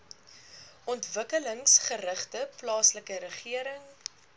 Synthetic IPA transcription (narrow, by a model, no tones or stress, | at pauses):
ʔɔntvəkələŋsχəɾəχtəplɑːsləkəɾəχiəɾəŋ